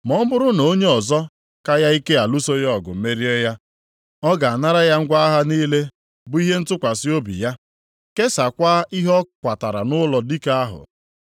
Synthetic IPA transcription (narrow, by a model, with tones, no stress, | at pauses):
mɔ˦m̩˦bʊ˦ɾʊ˦no˨˦ɲe˦ɔ˨zɔ˦ | ka˦ja˦i˦ke˦a˨lu˦so˦jɔ˦˨ɡʊ̰˨m̩˦me˦ɾi˦e˦ja˦ | ɔ˦ɡa˨a˨na˦ɾa˦ja˦ŋ̩˦ɡʷa˦a˦ɦa˦niː˦le˦ | bʊ˨i˦ɦe˦n̩˦tʊ˦kʷa˨sɪ˦o˦bḭ˨ja˦ | ke˦sa˨kʷa˦i˦ɦɔ˦kʷa˨ta˨ɾa˨nʊ˦lɔ˨di˦ka˦a˦ɦʊ̰˨